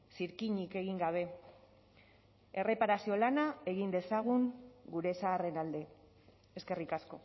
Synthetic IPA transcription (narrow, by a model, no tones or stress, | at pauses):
siɾkiɲike̞ɣiŋɡaβ̞e̞ | e̞re̞paɾasio̞lanae̞ɣind̪e̞saɣ̞uŋɡuɾe̞saːre̞nald̪e̞ | eske̞rikasko̞̰